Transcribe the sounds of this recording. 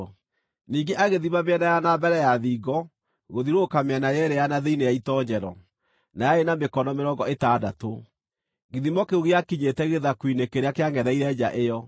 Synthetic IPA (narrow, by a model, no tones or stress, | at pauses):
niːŋɡeʔaɣeðimabeɛnajanabɛɾɛjaðiːɣɔ | ɣoðiɾokameɛnajɛɾejanaðeinejaitɔɲɛɾɔ | najaenamekɔnɔmeɾɔŋɡɔetadato | ɣiðimɔkeoɣeakiɲetɛɣeðakwinekeɾeakeaŋɡɛðɛiɾɛd͡ʑa̰ʔejɔ